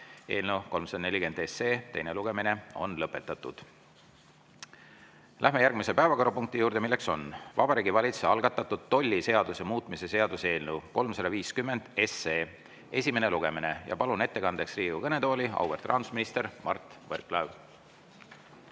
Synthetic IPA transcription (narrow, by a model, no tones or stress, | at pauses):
e̞̰ːlnewko̞lmsɑd̪ɑne̞lʲike̞nd̪e̞seːt̪e̞jneluɡ̥e̞mine̞o̞̰nlɤpːe̞t̪ːˑɑt̪ːˑud̪̥ | lʔæɦme̞jærɡ̥mise̞pæevɑko̞ɾɑpuŋkt̪ijuːɾd̪̥emilːe̞kso̞nvɑb̥ɑɾiːɡivɑlʲit̪sseɑlɡ̥ɑt̪ːˑɑt̪ːud̪̥̚t̪o̞lʲːise̞ɑd̪use̞muːt̪ˑmise̞se̞ɑd̪usee̞ːlnewko̞lmsɑd̪ɑviːskymːe̞nd̪̥e̞seː | e̞sʲime̞neluɡ̥e̞mine̞jɑ̰pɑlune̞t̪ːekɑnd̪e̞ksriːɡukɤne̞t̪o̞ːlʲiɑ̰wvert̪ːˑrɑ̰ːnd̪u̥sminist̪e̞ɾmɑ̰rt̪ˑverklɑv